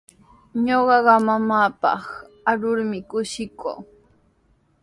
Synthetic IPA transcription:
ɲoɢɑɢɑmamaːpɑ̰χ | aɾʊɾmɪkʊʃɪkʰo̰ː

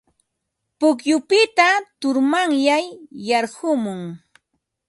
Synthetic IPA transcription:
pʊkjʊpɪt̪at̪ʊɾmaŋjajːɑɾhʊmʊŋ

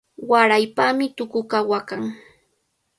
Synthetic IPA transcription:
waɾajpamɪt̪ʊkʊkawakaŋ

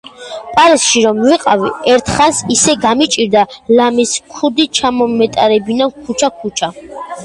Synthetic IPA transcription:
pʼaɾisʃiɾɔmviqʼaviɛɾt̪ʰχansisɛɡamit͡ʃʼiɾd̪alamiskʰud̪it͡ʃʰamɔmɛt̪ʼaɾɛbinankʰut͡ʃʰakʰut͡ʃʰa

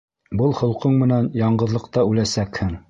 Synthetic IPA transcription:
bɤlˠhŏlˠqɤɴmɘ̆nænjɑɴɢɤ̆ðlˠɤ̆qt̪ɑʉlæsækhɘŋ

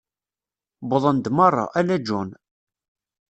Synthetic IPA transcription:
bʊðˤənd̪mɑrˤːɑ̰ʔælæd͡ʒun

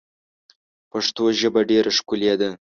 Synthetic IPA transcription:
paʂt̪oʒəbaɖeɾaʂkuled̪a

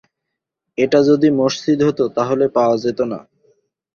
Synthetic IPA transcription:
eʈad͡ʑod̪imoʃt͡ɕid̪ɦot̪ot̪aɦolepaoad͡ʑet̪ona̰

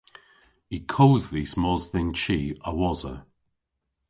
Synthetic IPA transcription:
ikʰowzðismɔzðɪnt͡ʃiːəwɔzə̰

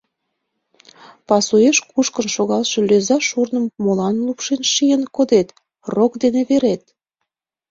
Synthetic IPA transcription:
pɑsueʃkuʃkənʃoɣɑlʃĕløzɑʃurnə̆mːolɑnlupʃenʃijənkod̪et̪ | rokd̪eneβeɾet̪̚

